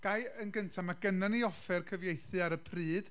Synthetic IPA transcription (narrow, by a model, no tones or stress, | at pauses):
ɡ̥ajənɡəntʰamaɡənaniɔfɛrkʰəvjejθɨaɾəpʰrɨːd̥